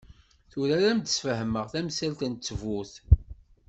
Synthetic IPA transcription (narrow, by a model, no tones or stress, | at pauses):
θʊɾæɾæmd̪ə̥sfəɦməʁθæmsælt̪ənt͡sːəvuθ